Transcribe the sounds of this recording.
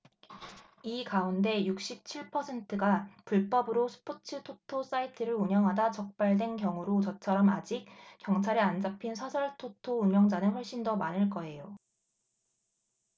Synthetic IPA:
ikaunde̞juk̚ɕ͈ip̚t͡ɕʰiɭpʰʌsʰe̞ntʰɯɡapuɭp͈ʌbɯɾosʰɯ̥pʰot͡ɕʰɯtʰotʰos͈aitʰɯɾɯɾuɲʌŋɦadat͡ɕʌk̚p͈aɭdwe̞nkjʌŋuɾot͡ɕʌt͡ɕʰʌɾʌmad͡ʑik̚k͈ːjʌŋt͡ɕʰaɾeand͡ʑapʰinsʰʌsʰʌɭtʰotʰouɲʌŋd͡ʑanɯnɸwʌɭɕ͈indʌmanɯɭk͈ʌe̞jo

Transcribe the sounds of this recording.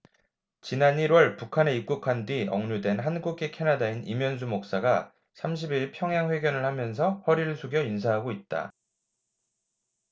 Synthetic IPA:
t͡ɕinaniɾwʌɭpukʰane̞ik͈̚ukʰandɥiʌŋɲudwe̞nɦanɡuɡekʰe̞nadainimjʌnsʰumok̚s͈aɡa | sʰamɕ̬ʰibiɭpʰjʌŋjaŋɸwe̞ɡjʌnɯɭhamjʌns̬ʰʌhʌɾiɾɯɭsʰuɡjʌins̬ʰaɦaɡoit̚t͈a̰

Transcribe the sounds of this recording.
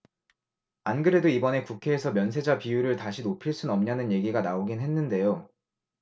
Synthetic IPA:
anɡɯɾe̞doibʌne̞kukʰe̞ːsʰʌmjʌns̬ʰe̞d͡ʑapijuɾɯɭtaɕʰinopʰiɭs͈unʌmɲanɯnje̞ɡiɡanaoɡinɦe̞nːɯnde̞jo

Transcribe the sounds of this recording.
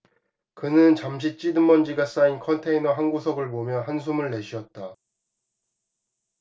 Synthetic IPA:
kɯnɯnt͡ɕamɕ̬ʰit͡ɕ͈idɯmːʌnd͡ʑiɡas͈ainkʰʌntʰe̞inʌɦanɡosʰʌɡɯɭpomjʌnɦansʰumɯɭːe̞ɕʰiʌt̚t͈a

